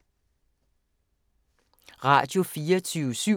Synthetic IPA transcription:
ʁɑ̈ːd̥jo̝fiːɐt͡sʰyːʊəsy

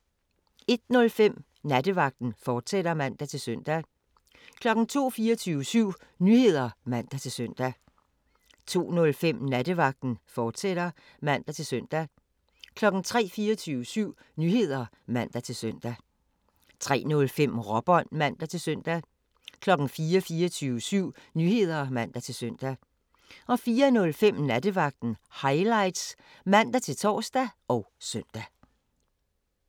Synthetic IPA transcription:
e̝d̥nɔ̽lfem̰ | næd̥əʋɑ̈ɡ̥̚d̥n̩fɒːd̥seɾ̥ɐmæn̰d̥æt͡sʰe̝lsøn̰d̥æ | kʰlɒ̽ɡ̥n̩t͡sʰo̝̰ːfiːɐt͡sʰyːʋəsyʊ̰ | nyhe̝ð̞̰ˠɐmæn̰d̥æt͡sʰe̝lsøn̰d̥æ | t͡sʰo̝̰ːnɔ̽lfem̰næd̥əʋɑ̈ɡ̥̚d̥n̩fɒːd̥sed̥ɐ | mæn̰d̥æt͡sʰe̝lsœn̰d̥æ | kʰlɒ̽ɡ̥n̩t͡sʰʁɛ̰ːfiːɐt͡sʰyːʊəsyʊ̰ | nyhe̝ð̞̰ˠɐ | mæn̰d̥æt͡sʰe̝lsøn̰d̥æ | t͡sʰʁɛ̰ːnɔ̽lfem̰ʁɒ̽b̥ɒ̽nmæn̰d̥æt͡sʰe̝lsøn̰d̥æ | kʰlɒ̽ɡ̥n̩fiːɐfiːɐt͡sʰyːʊəsyʊ̰nyhe̝ð̞̰ˠɐmæn̰d̥æt͡sʰe̝lsøn̰d̥æ | ɒ̽fiːɐnɔ̽lfem̰næd̥əʋɑ̈ɡ̥̚d̥n̩hɑ̈ɪlɑ̈ɪd̥s | mæn̰d̥æt͡sʰe̝lt͡sʰɒ̰ːsd̥æɒ̽ʊsœn̰d̥æ

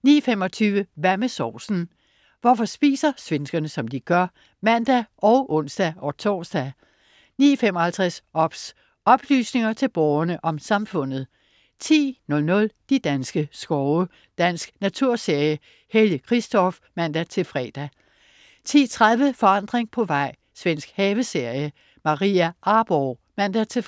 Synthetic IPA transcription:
nḭːɐfemɒ̽t͡sʰyːʋəʋæɐmesɒ̰ːsn̩ | ʋɒfɒ̽sb̥ḭːsɐsʋensɡ̥ɐnəsɒ̽md̥iɡ̥ɶɐ | mænd̥æʔɒ̽ʊʔɔ̽n̰sd̥æʔɒt͡sʰɒ̰ːsd̥æ | niːɐfemɒhælt͡sʰʁasɒ̽b̥s | ɒ̽b̥ly̰ːsne̝ŋɐt͡sʰe̝lb̥ɒʊɐnəʔɒ̽msɑ̈mfɔ̽n̰ð̞̩ˠ | t͡sʰḭːnɔ̽lnɔ̽ld̥id̥ænsɡ̥əsɡ̥ɒʊə | d̥æn̰sɡ̥næt͡sʰuɐ̰se̝ɐ̰jə | heljəkʰʁisd̥ɒ̽f | mæn̰d̥æt͡sʰe̝lfʁɛ̰ːd̥æ | t͡sʰḭːt͡sʰʁaðˠʋəfɒ̽ɑ̈n̰d̥ʁeŋpʰɒ̽ʋɑ̈ɪ̰ | sʋen̰sɡ̥hɛːʋəse̝ɐ̰jə | mɑ̈ʁḭːæʔɑ̈ːb̥ɒː | mæn̰d̥æt͡sʰe̝

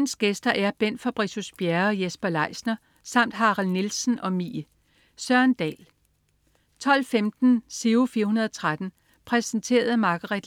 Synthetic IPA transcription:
n̩sɡ̥esd̥ɐʔæɐb̥en̰fɒb̥ʁisusb̥jæɐɒ̽jesb̥ɐlɑ̈ɪsnɐ | sɑ̈m̰d̥ɦɑ̈ʁɑlnilsn̩ɒ̽mḭː | sɶɐ̰nd̥ɛ̰ːl | t͡sʰɒ̽l̰femd̥n̩seufiːɐhunɐð̞ˠɒt͡sʰʁad̥n̩ | pʰʁɛssn̩t͡sʰe̝̰ːɐð̩ˠmɑ̈ɡ̥ɐʁid̥

